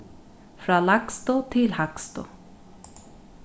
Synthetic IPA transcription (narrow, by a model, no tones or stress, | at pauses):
fɾaːlakst̪ʊt̪ʰɪlhakst̪ʊ̰